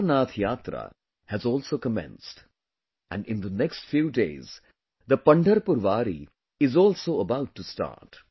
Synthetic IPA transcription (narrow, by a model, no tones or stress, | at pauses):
naːt̪ʰjaːt̪ɾa̰ | hæzɔːlsoːkəmɛ̰̃nsʈ | æ̰̃ɳɖɪ̃nd̪ənɛksʈfjuːɖḛːz̥ | d̪əpʌ̃ɳɖʱəɾpʊɾʋaːɾḭ | ɪzɔːlsoːəbaʊʈːusʈa̰ːɾʈ